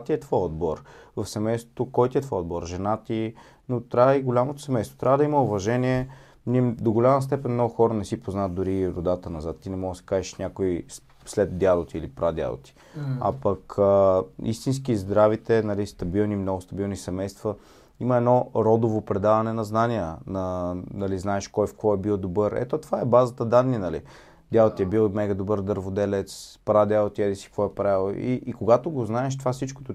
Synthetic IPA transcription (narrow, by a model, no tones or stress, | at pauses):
t̪iɛt̪vɔjod̪̚bɔɾvɐfsɛmɛjst̪vo̥t̪okɔjt̪iɛt̪vɔjod̪bɔɾʒɛnat̪i | not̪ɾavəiɡolʲamot̪o̥sɛmɛjst̪vo̥t̪ɾʲavəd̪ɐimɐʊvɐʒɛniɛ | nid̪oɡolʲamɐst̪ɛpɛnmnɔɡʊxɔɾənɛsipoznat̪d̪ʊɾiɾod̪at̪ənɐzat̪ːinɛmɔɡəsi̥kaʒɛʃnʲakoi | slɛt̪d̪jad̪ot̪iilipɾad̪ja̰d̪o̰t̪i̥ | a̰pɐkəḭst̪inskizd̪ɾavit̪ɛnɐlist̪ɐbilˠnimnɔɡʊst̪ɐbilˠnisɛmɛjst̪və | iməɛnɔɾɔd̪ovopɾɛd̪avɐnɛnɐznaniənɐnɐliznaɛʃkɔjfkvɔɛbilˠd̪obɤɾɛ̰t̪ot̪ovaɛbazət̪əd̪anːinɐlḭ | d̪ʲjalˠot̪iɛbilˠmɛɡəd̪obɤɾd̪əɾvod̪ɛlɛt̪spɾad̪ʲjalˠot̪iɛd̪isi̥kvɔɛpɾaɛlˠoḭʔːkoɡat̪oɡoznaɛʃt̪ovasit͡ʃko̥t̪o